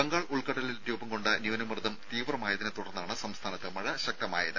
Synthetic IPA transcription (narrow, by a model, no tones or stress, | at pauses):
bɐŋɡaːɭuɭkɐʈːɐlilɾjuːbɐmko̞ɳɖɨnjuːnɐmrɨd̪ɐmt̪iːʋrɐmaːjɐðinɨt̪uɽɐrnːaːɳɨsɐmst̪ʰaːnɐt̪ːɨmɐɻɐɕɐk̚t̪ɐma̰ːjɐ̰ðɨ